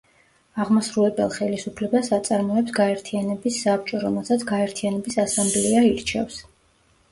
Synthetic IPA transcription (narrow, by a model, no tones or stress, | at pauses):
aʁmasɾulɛbɛlˠχɛlisupʰlɛbasat̪sʼaɾmɔɛpsɡaɛɾt̪ʰianɛbisːap̚ʰt͡ʃʼɔɾɔmɛlˠsat̪sʰɡaɛɾt̪ʰianɛbisasambliaiɾt͡ʃʰɛ̰fs